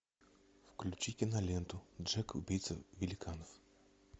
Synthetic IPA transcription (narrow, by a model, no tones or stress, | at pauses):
fklʲut͡ɕikʲɪnɐlʲɛnt̪ʊdʐɛkʊ̰bʲijt̪səvʲɪlʲɪkʰanɔf